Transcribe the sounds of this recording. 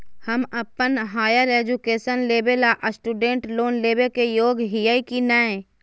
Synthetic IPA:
həməpːənɦaːjəɾeːd͡ʒukeːʃənleːbelaʔəsʈuːɖẽːɳʈloːnleːbekejoːɡɦijaːikinaːẽ

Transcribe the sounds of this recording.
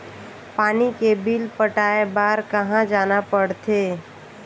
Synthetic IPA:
paːnikebilpəʈaːebaːɾkəɦãd͡ʒaːnapəɽt̪eː

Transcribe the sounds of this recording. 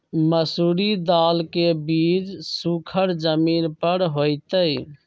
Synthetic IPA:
məsuːɾid̪aːlkebiːd͡ʒsukʰəɾd͡ʒəmiːnpəɾɦojt̪əj

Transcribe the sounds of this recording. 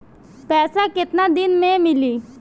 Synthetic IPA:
pɛːsakɪt̪nad̪ɪnmẽmɪliː

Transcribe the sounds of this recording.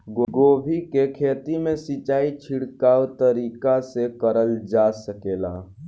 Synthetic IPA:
ɡoɡoːbʱikekʰeːt̪imẽsit͡ʃaːit͡ʃʰiɽkaːʋt̪əɾiːkasekəɾəld͡ʒasəkela̰

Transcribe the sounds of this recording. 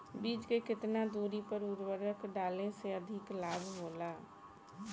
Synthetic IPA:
biːd͡ʒkekɪt̪nad̪uːɾipəɾuɾwəɾəkɖaːlẽseəd̪ʱɪklaːbʱɦoːla

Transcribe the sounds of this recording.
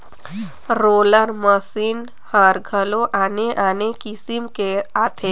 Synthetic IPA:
ɾoːləɾməsiːn | həɾɡʱəloʔaːneʔaːnekisimkeaːt̪ʰe

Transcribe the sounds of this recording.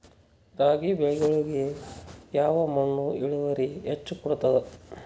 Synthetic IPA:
ɾaːɡibɛɭɡɐɭɡejaːʋɐmɐɳːuiɭuʋɐɾiɦet͡ʃːukɔɽut̪ɐd̪e

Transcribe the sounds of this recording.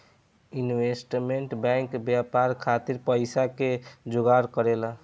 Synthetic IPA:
inʋesʈmeɳʈbɛ̃ŋkbjapaɾkʰat̪iɾpəjsaked͡ʒoɡaɾkəɾela

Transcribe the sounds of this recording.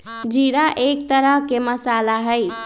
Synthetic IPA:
d͡ʒiɾaʔek̚t̪əɾəɦkeməsalaɦəj

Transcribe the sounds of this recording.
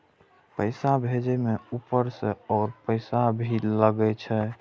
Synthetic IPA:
pəɪsabʱed͡ʒemeupəɾseɔːɾpəɪsabʱiləɡɛt͡ʃʰɛ

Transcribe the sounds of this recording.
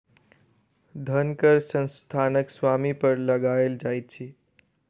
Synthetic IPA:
d̪ʱənkəɾsə̃nst̪ʰanəksʋamipəɾləɡaeld͡ʒajt̪̚t͡ʃʰi

